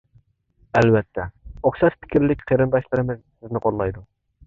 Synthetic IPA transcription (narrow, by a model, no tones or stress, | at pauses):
ɛlvɛt̪ʰːɛoχʃɑt̪pʰɪ̥kʲʰiɾlɪkʲqʰeɾɨnd̪ɑʃlˠɨɾɨmɨzsɪznɪqʰolˠːɑjd̪u